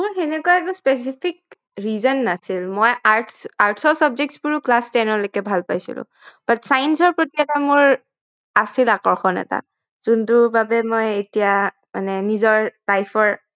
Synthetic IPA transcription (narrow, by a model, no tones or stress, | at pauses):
mʊɹxenɛkuaɛkʊ̃spes̬ipʰik̚ | ɹizɔnːasilmojaɹtʰsaɹtʰsɔsɔbzɛk̚tsbuɹuklastɛnɔlokɛbʱalpajsḭlʊ̰̃ | b̥atsajnsɔɹpɹotiatamʊɹ | asilakɔɹxʰɔnɛ̰ta̰ | z̥untʊbabɛmɔjetija | ma̰nɛnizɔɹb̥ajpʰɔɹ